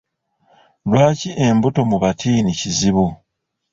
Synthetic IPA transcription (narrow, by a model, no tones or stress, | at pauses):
lwaːciʔe̞mbuto̞muβatʰiːniciziβu